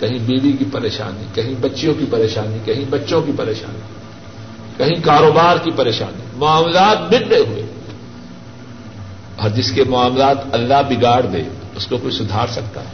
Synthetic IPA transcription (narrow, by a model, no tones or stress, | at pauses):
kɐɦĩbiːʋikipɐɾeːʃa̰ːnikɐɦĩbɐtːʃjõkipɐɾeːʃaːnikɐɦĩbɐtːʃõkipɐɾeːʃa̰ːni | kɐɦĩkaːɾoːbaːɾkipɐɾeːʃa̰ːnimʊaːmlaːt̪̚bɪnneɦʊḛː | ɔːɾd͡ʒɪskemʊaːmlaːt̪ɐlːaɦbɪɡaːɽd̪ḛːʊskokoːisʊd̪ʱaːɾsɐkt̪a̰ɦɛː